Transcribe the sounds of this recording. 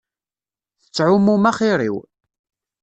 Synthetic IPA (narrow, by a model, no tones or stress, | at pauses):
θə̥t͡sːʕʊmumæχiɾˤḭw